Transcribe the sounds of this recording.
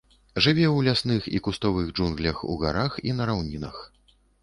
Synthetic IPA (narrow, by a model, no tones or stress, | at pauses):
ʐɨvʲɛwlʲasnɨxḭkust̪ɔvɨɣd͡ʐunɣlʲɐxṵɣa̰ɾaxinɐɾawnʲinɐ̰x